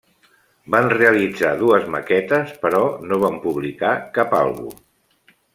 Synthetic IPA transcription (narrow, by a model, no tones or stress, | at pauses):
banreəlid͡zaðuəzmə̰kɛt̪əspəɾɔnoβ̞ampuβlikakapa̰lˠɣṵ